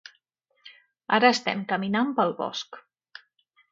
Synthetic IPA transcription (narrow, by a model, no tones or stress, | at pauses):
aɾəːst̪ɛ̰mkəminampəlˠβɔ̰sk